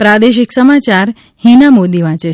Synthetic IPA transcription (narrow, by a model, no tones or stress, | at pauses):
pɾad̪eʃɪksəmat͡ʃaɾ | hinamod̪iʋãt͡ʃe